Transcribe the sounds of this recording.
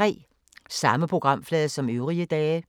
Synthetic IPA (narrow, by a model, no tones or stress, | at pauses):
ʁḭː | sɑ̈məpʰʁoɡ̥ʁɑ̈m̰flɛːðˠəsɒ̽møʊʁiəd̥ɛː